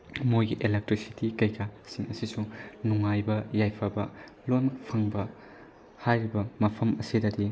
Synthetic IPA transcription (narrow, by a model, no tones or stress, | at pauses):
mojɡiʔelek̚tɾisi̥tikɐjkʰasiŋɐsisunuŋajbɐjajpʰɐbɐ | lonpʰɐŋbɐ | hajɾibɐmɐpʰɐmɐsidɐdi